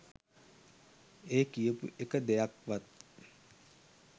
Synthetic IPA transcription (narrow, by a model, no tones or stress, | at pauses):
eːkijəpṵʔekəd̪ejakʋat̪̚